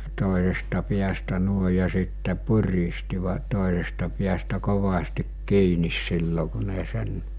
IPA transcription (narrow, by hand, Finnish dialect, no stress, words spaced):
toˑesestɑ piæstæ nuoe jɑ sitːe puristiʋɑ toˑesestɑ piæstæ koʋɑstik kiːnis silːo ku ne sen